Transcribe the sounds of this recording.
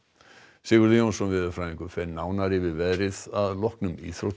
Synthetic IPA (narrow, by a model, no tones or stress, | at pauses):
sɪɣʏɾðɪjownsɔnvɪːðʏɾfɾaːĩŋkʏfɛɾnaːwnaɾɪvɪðvɛðɾɪðaðlɔhknʏmḭːθɾot̪